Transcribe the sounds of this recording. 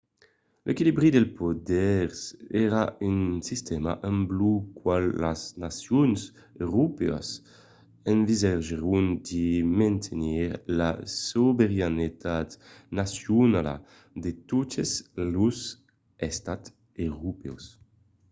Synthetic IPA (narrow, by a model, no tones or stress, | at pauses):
lʔekilibɾid̪elpod̪ɛɾsɛɾaynsist̪ɛma̰ʔẽmblukwalːaznasjɔns | eʁupɛ̰a̰s | eɱvizaʒeɾund̪imɛ̃nt̪ʰeniɾlasubeɾanit̪at̪nasjunala̰ | d̪et̪ut̪ezluz | ɛst̪at̪ | eɾupɛ̰ws